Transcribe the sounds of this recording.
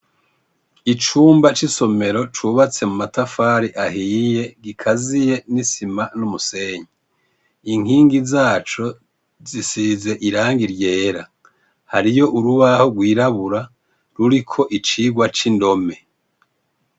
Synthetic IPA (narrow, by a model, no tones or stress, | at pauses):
it͡ʃuːmbat͡ʃiso̞me̞ɾo̞t͡ʃuβat͡se̞mumatafaːɾiʔahiːje̞ɡikʰazije̞nisimanumuse̞ːɲi | iŋ̥hiːŋɡizaːt͡ʃo̞ | zisize̞ʔiɾaːŋɡiɾjeːɾa | haɾijo̞ʔuɾuβaho̞ɡwiːɾaβuɾa | ɾuɾikʰo̞ʔit͡ʃiɡwat͡ʃindo̞me̞